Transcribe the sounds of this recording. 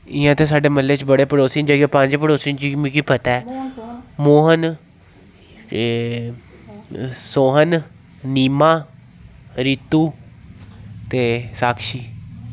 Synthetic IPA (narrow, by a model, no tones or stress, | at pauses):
ɪjãːt̪ẽːsaːɖeːməlːeːt͡ʃbəɽeːpəɽoːsind͡ʒaːɡepə̃ɲd͡ʒpəɽoːsint͡ʃiːmũkiːpət̪ɛː | moːɦən | soːɦən | niːmaː | ɾiːt̪ːuː | t̪eːsaːkʃiː